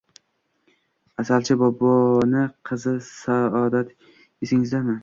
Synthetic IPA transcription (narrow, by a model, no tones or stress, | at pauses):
asalt͡ʃʰɪbɒbɒnɪqʰɨzɪsaɒd̪at̪ | ɪsɪŋɪzd̪amɪ